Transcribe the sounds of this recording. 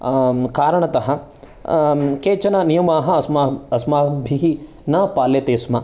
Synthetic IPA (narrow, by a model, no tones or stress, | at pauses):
kaːɾɐɳɐt̪ɐɦɐ̆ | keːt͡ʃɐnɐnijɐmaːɦɐ̆smaɐsmaːbʱiɦi | naːpaːlet̪eːsmɐ